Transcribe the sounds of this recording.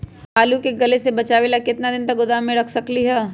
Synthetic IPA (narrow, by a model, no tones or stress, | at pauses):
aːlukeɡɐlesebɐt͡ʃaːʋelakɪt̪nad̪ɪnt̪ɐk̚ɡʊd̪aːmːẽɾɐkʰsɐkliɦɛː